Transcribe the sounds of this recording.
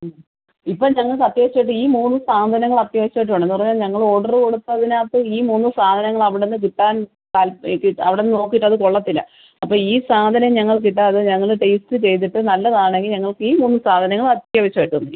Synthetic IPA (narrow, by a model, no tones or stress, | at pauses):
ipːoːɭɲɐŋːɐɭkɐt̪jeːiɕːajʈːɨiːmuːnːɨsaːd̪ʱɐnɐŋːɐɭɐt̪jɐːʋɐɕɐmaːjiʈ̬ːuɳɖe̞nːupɐrɐɲːaːlɲɐŋːɐɭo̞ːɽɐrɨko̞ɽut̪ːɐðinaːt̪ːɨiːmuːnːɨsaːd̪ʱɐnɐŋːɐɭɐʋiɽenːɨk̬iʈːaːn | k̪aːlpkiɐʋiɽenːɨno̞ːk̬ːiʈːɐðɨko̞ɭːɐt̪ːilːɐ̰ | ɐpːoːɭiːsaːd̪ʱɐnɐɲɐŋːɐɭk̬iʈːɐɐðɨɲɐŋːɐɭɨʈejstɨt͡ɕe̞jt̪ːiʈːɨnɐlːɐðaːɳe̞ŋɡilɲɐŋːɐɭkɨiːmuːnːɨsaːd̪ʱɐnɐŋːɐɭɐt̪jɐʋɐɕɐmaːiʈːuunːi